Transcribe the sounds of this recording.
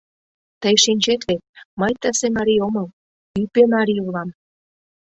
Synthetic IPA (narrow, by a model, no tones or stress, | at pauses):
t̪əjʃinʲt͡ɕet̪vet̪̚məjt̪əsemɑɾioməl | ypemɑɾiulɑm